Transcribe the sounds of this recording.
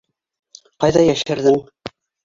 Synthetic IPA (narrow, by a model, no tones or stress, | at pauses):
qɑjðɑjæʃɘ̆ɾðɘŋ